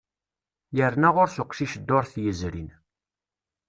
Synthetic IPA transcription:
jəɾnæʁʊɾsʊqːʃiʃd̪ːʊɾθjəzɾḭn

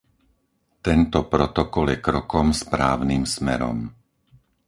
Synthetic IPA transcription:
t̪ɛnt̪ɔpɾɔt̪ɔkɔljɛkɾɔkɔmspɾaːʊnimsmɛɾɔ̰m

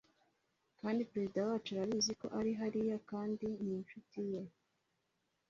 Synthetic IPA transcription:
kaːndipɾe̞zidawaːt͡ʃuɾaβiːziko̞̰ʔaɾiɦaɾijakaːndininʃutije

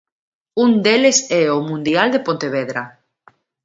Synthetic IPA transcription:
und̪elesɛomũnd̪iald̪epõnt̪eβeðɾa

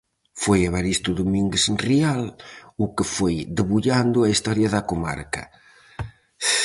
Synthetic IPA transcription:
fojaβaɾist̪ʊðomiŋɡesnrialʊkefojd̪eβuʎand̪ʊɐist̪ɔɾjɐðɐkoma̰ɾkɐ̰

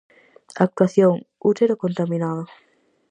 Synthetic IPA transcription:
ak̚t̪waθjoŋut̪eɾokont̪amĩnaðo

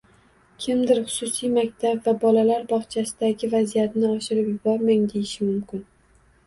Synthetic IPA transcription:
kʲʰɪmd̪ɪɾχʊ̥sʊsijmak̚ʲt̪ʰabvabɒlalaɾbɒχt͡ʃʰasɪd̪aɡʲɪvazijat̪nɪɒʃɪɾɪpjʊbɒɾmaŋd̪ejɪʃɪmʊmkʲɪn

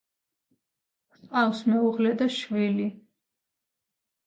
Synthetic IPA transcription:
sqʼafsmɛuʁlɛd̪aʃvili

